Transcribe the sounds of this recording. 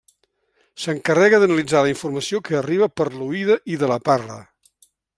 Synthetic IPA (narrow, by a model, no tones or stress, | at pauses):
səŋkərɛɣəðənəlid͡zaləiɱfurməsiokəːriβ̞əpəɾluiðəʔiðələparlə̰